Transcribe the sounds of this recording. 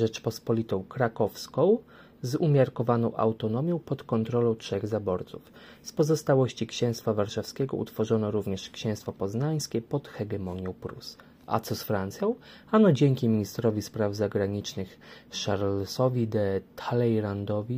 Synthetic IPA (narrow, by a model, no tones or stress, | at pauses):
ʐɛt͡ʂpɔspɔlʲit̪ɔ̃w̃kɾakɔfskɔ̃w̃ | zumʲjaɾkɔvanɔ̃w̃ʔa̰wt̪ɔnɔmʲjɔ̃w̃pɔt̪kɔnt̪ɾɔlɔ̃w̃tʂɛɣzabɔɾt̪suf | spɔzɔst̪awɔɕt͡ɕikɕɛ̃w̃st̪favaɾʂafskʲɛɡɔ̰ṵt̪fɔʐɔnɔɾuvɲɛʂkɕɛ̃w̃st̪fɔpɔznaj̃skʲɛpɔt̪xɛɡɛmɔɲɔw̃pɾṵs | ʔa̰t̪sɔsfɾant̪sʲjɔ̃w̃ | anɔd͡ʑɛŋkʲimʲiɲist̪ɾɔvʲispɾavzaɡɾaɲit͡ʂnɘxʂaɾlsɔvʲid̪ɛt̪ʰalɛjɾand̪ɔvʲi